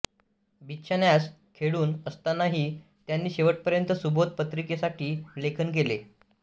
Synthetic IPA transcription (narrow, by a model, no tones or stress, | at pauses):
bʱit̪ːɕʰanjaskʰeɭuːnəst̪anaɦiː | t̪janːiːɕeʋəʈ̚pəɾjənt̪əsubʱot̪̚pət̪ɾikesaʈiːlekʰənk̬ele